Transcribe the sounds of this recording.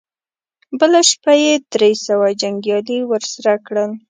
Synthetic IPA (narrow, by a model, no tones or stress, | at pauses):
bəlaʃpajed̪ɾesawad͡ʒaŋɡjɑliwəɾsaɾakɽəl